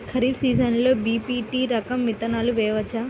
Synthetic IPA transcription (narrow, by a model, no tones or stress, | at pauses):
kʰɐɾiːbsiːzənləbipiʈiːɾɐkɐmːit̪ɐnaluʋeʋɐt͡ɕa